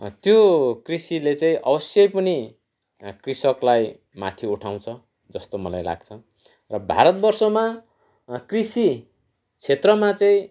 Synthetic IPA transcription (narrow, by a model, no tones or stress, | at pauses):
t̪jokrisilet͡saĩʔʌbʌsjʌjpʌni | krisʌklaj | ma̰t̪ʰiuʈʰaw̃t͡sʰʌ | d͡zʌst̪omʌlajla̰ɡ̚t͡sʰʌ | rʌbʱa̰ɾʌt̪̚bʌrsʌma | krisi | t͡sʰet̪rʌmat͡saĩ